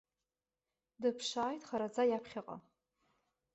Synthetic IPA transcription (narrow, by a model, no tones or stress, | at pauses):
dɨpʰʂaːjtʼχaɾad͡zajapʰχʲaqʼa̰